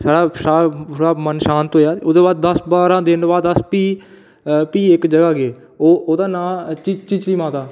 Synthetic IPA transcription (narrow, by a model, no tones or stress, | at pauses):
saːɽaːsaːɽaːmənʃaːnt̪ɦoːjaːʊd̪eːbaːd̪̚ːəsbaːɾãːd̪ɪnbaːd̪əspiː | piːɪkd͡ʒəɡaːɡeː | oːoːt̪ãːnãːt͡ʃit͡ʃiːt͡ʃliːmãːt̪aː